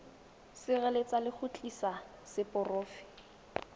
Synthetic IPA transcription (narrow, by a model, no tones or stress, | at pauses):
sɪɣɛlet͡sʼalɪk͡xʊt͡ɬʼisa | sɪpʼʊroːfɪ̥